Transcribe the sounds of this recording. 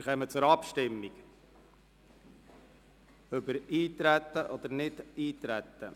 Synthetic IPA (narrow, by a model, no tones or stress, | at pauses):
χɛmət͡sʊɾɑpʃtɪmːiɡ̥ | œbəɾiːt̪ɾæt̪ːəʔɔd̪əɾnɪd̪iːt̪ɾæt̪ːə